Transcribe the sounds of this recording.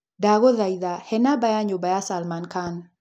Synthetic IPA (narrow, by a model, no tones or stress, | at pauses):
daɣoðaiðahɛnabajaɲobajasalmankan